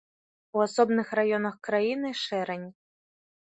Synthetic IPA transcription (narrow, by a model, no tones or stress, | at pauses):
uasɔbnɨxrajɔnɐxkɾajinɨʂɛɾɛnʲ